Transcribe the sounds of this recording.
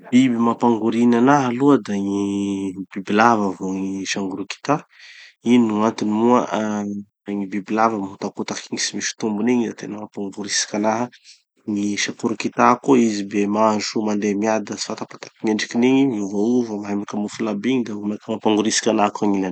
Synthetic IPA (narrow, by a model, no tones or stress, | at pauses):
b̥ibimapaŋɡuɾinanaɦaluəd̪aŋibibilavəvoŋiʃaŋɡuɾuki̥t̪a | inuant̪inimuəʔ | ŋibibilavəmiut̪akut̪akiŋisimiʃi̥t̪umbuniɲizat̪enəmapaŋɡuɾisi̥kʲanaɦə | ŋiʃakuɾukit̪akoizibemazumand̪emiad̪əsi̥fat̪apat̪ḁkimeɳɖ͡ʐikiniɲimiuvauvəmaɦamakamufilabiɲid̪amakəmapaŋɡuɾisi̥kʲanaɦkaŋila